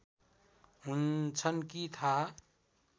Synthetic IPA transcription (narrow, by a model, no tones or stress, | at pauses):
ɦunt͡sʰənkit̪ʰa